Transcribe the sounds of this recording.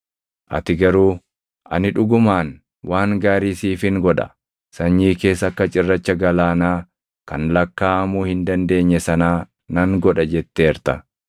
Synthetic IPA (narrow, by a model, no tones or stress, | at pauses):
ʔɐ̰t̪ɪɡɐɾuː | ʔɐ̰nɪᶑʊɡʊmaːn | wʔaːŋɡaːɾiːsiːfɪŋɡɔᶑɐ̰ | sɐɲːiːke̞ːsɐkːɐt͡ʃʼɪrːɐt͡ʃːɐɡɐlaːnaː | kɐnlɐkːaːɐmuːhɪnd̪ɐnd̪e̞ːɲːɛsɐnaː | nɐŋɡɔᶑɐd͡ʒɛt̪ːeːɾt̪ɐ̰